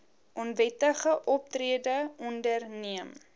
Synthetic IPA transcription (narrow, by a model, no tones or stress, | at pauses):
ʔɔnvɛtəχəʔɔp̚triədəʔɔndərniəm